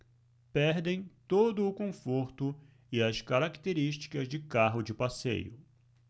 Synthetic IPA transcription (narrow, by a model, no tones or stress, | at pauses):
pɛɾd̪ẽj̃t̪od̪ʊːkõfoɾt̪ʊ | ɪɐskaɾakt̪eɾiʃt͡ʃi̥kɐzd͡ʒɪkaɦʊd͡ʒɪpasḛjʊ̰